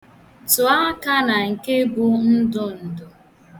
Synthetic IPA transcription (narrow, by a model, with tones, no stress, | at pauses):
tʊ˨a˦ka˦na˨ŋ̩˨ke˦ɡʊ˦n̩˦dʊ˦n̩˨dʊ˨